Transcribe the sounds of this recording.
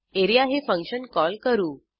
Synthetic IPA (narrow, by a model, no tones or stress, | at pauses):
eɾijaɦefə̃ŋkɕənkɔlkəɾuː